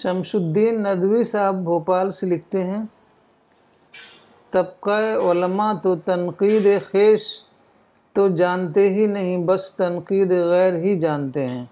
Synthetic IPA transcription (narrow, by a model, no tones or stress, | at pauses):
ʃɐmʃʊd̪ːiːnːɐd̪wisaːɦɪbʱːoːpaːlselɪk̚ʰt̪eɦɛ̃ː | t̪ɐb̚kaeʊlmat̪ot̪ɐnqiːd̪exeːʃ | t̪od͡ʒaːnt̪eɦinɐɦĩbɐst̪ɐnqiːd̪eɣɛːɾɦid͡ʒaːnt̪eɦɛ̃ː